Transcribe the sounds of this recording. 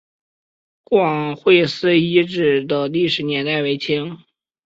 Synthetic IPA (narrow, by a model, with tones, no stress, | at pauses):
kwɑ˨˩ŋxwe˥˧ɪsɹ̩˥i˥ʈ͡ʂɻ̩˥˩d̪ə˨˩li˥˩ʂɻ̩˧˥njɛ˧˥nt̪a˥˩ɪwe˧˥ɪt͡ɕʰi˥ŋ